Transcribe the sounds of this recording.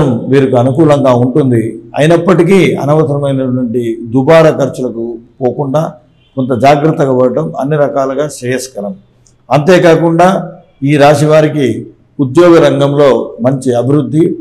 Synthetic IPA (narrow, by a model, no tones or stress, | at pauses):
ɐmʋiːɾikuɐnukuːlɐŋɡaːuɳʈund̪iɐ̰jinɐpːɐʈikiːɐ̰nɐʋɐt̪ɐɾɐmɐjnɐʈʋɐɳʈid̪ubaːɾɐkɐɾt͡ʃulɐkupoːkuɳɖaː | kɔnt̪ɐd͡ʒaːɡɾɐt̪ːɐɡɐbɐɽɐʈɐmɐ̰nːiɾɐkaːlɐɡaːʃɛːjɐskɐɾɐm | ɐnt̪e̞ːkaːkuɳɖaː | iːɾaːʃiʋaːɾiki | ud̪jɔːɡɐɾɐŋɡɐmlo̞ːmɐɲt͡ʃiɐbʱiɾud̪ʱːi